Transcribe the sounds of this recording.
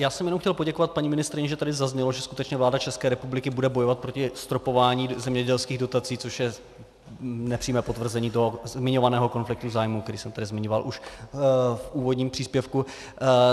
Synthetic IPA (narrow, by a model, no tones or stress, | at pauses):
jaːsɛmjɛnomxcɛlpo̞ɟɛko̞vat̪̚paɲiːmɪnɪst̪ɾɪɲɛʒɛt̪adɪzazɲɛloʒɛskut̪ɛt͡ʃɲɛvlaːdat͡ʃɛskɛːɾɛpublɪkɪbudɛbo̞jovat̪̚pɾo̞cɪst̪ɾopo̞vaːɲiːzɛmɲɛɟɛlskiːɣdo̞t̪at͡siːt͡so̞ʃjɛ | nɛpr̥iːmɛːpo̞t̪vr̩zɛɲiːt̪oɦomɪɲo̞vanɛːɦo̞ko̞nflɪk̚t̪uzaːjmuk̚t̪ɛɾiːsɛmt̪adɪzmɪɲovalʔuʃ | fʔuːvodɲiːmpr̥iːspjɛfku